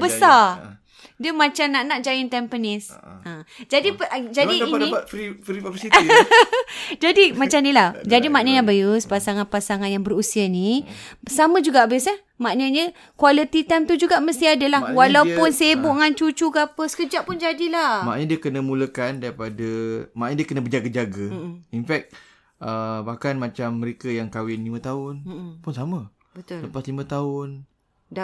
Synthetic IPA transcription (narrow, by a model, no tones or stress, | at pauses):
bəsa | diəmat͡ʃamnaʔnaʔd͡ʒaɪnt̪ɛmpənɪs | ə̃d͡ʒadipd͡ʒadiːnifɾisi | d͡ʒadimat͡ʃamnilad͡ʒadimaʔnəʔɲabajuspasaŋanpasaŋanjaŋbəɾusianisamə̃d͡ʒuɡaʔabisəh | maʔnəɲə̃ | kwalit̪it̪amt̪ud͡ʒuɡaʔməst̪iadəlahwalawppʊnsebuʔŋant͡ʃut͡ʃuɡapəsə̥kəd͡ʒaʔpʊnd͡ʒadilamaʔɲə̃diəkənəmuləkandaɾipadəmaʔɲədiəkənəbəd͡ʒaɡad͡ʒaɡainfɛk̚t̪̚ | əbahkanmat͡ʃamːəɾekəjaŋkawɪnlimə̃t̪aʊnpʊnsamə | bət̪ləpaslimə̃t̪aʊn